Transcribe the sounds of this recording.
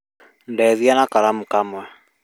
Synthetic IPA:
ndɛðjanakaɾamukamwɛ

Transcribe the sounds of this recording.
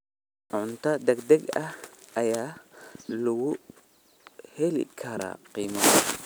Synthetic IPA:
ʕʊnt̪ɐd̪ɐɡd̪ɐɡɐhɐjaːlɐɡʊ | hɛlḭkʰɐɾa̰qiːmɐ

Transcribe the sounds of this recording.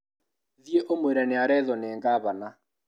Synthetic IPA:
ðieʔomweɾɛneaɾɛðɔneːŋɡaːβana

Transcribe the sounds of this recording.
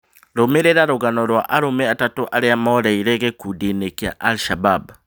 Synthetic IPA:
ɾomeɾeɾaɾoɣanɔɾwaʔaɾomeatatoʔaɾeamɔːɾaiɾeɣekudinekia̰ʔalʃabab

